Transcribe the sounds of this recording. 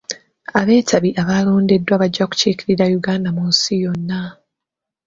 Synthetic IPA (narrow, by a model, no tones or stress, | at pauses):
aβe̞ːtʰaβiʔaβalo̞ːnde̞dːwaβaɟːaku̥ciːkiɾiɾajuɡaːndamunsijo̞nːa